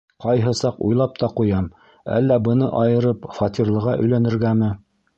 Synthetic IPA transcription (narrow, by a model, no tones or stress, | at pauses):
qɑjɦɤ̆sɑqṵjlˠɑp̚t̪ɑqujɑm | æ̰lːæbɤ̆nɤʔɑjɤ̆ɾɤpfɑt̪ʲirlˠɤ̆ʁɑʔɵ̆jlænɘ̆ɾɡæmɘ